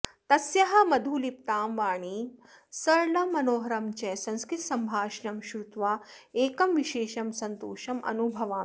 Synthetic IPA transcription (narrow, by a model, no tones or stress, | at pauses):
t̪ɐsjɐɦɐ̆mɐd̪ʱuːlip̚t̪aːmʋaːɳi | sɐɾlɐmːɐnoːɦɐɾɐmt͡ʃɐjsɐ̃nskɾit̪sɐmbʱaːʃɐnɐmʃɾut̪ʋaːeːkɐmʋiʃeːʃɐmsɐnt̪oːʃɐmʔɐ̰nubʱɐʋaː